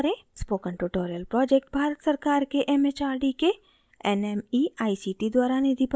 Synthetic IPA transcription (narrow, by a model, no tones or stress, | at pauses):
ɾẽspoːkə̃ɳʈuʈoːɾijəlpɾɔːd͡ʒeːk̚ʈ̚bʱaːɾət̪sɐɾkaːɾkeʔɛmet͡ʃaːɾɖike | ɛ̰nemiaːisiʈid̪waːɾaned̪ip